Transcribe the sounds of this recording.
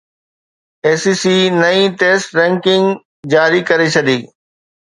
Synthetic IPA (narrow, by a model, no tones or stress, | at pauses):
eːsiːsiːnɐĩʈeːsʈɾɛ̃ŋkɪ̃ŋɡ | d͡ʑaːɾikɐɾet͡ɕʰɐɗ̪iː